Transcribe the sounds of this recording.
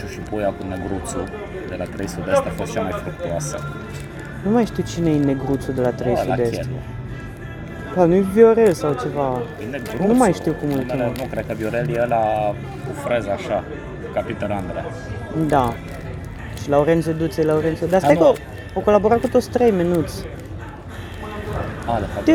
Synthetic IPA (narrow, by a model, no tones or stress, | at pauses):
ʃuʃipujakunːeɡɾut̪su | d̪elat̪ɾejsud̪est̪afost̪t͡ʃeemajfɾuk̚t̪uasə̰ | numajʃt̪iwt͡ʃineeneɡɾut̪sud̪elat̪ɾejslad̪ese | lanujbjoɾelsawt͡ʃe̞vaeneɡnumajʃt̪iwkumult̪inukɾed̪̚kəbjoɾeljeəla | ufɾezaʃa | kapit̪oland̪ɾa̰ | d̪a | ʃilaoɾent̪sed̪ut̪sejlaoɾent̪sed̪asejkə | oko̞labo̞ɾat̪̚kut̪ot̪sʲt̪ɾe̞jminut̪sʲ | alefat̪